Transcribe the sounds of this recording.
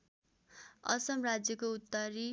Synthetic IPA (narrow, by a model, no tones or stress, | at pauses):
ʌ̰sʌmrad͡zjʌkout̪ːʌɾi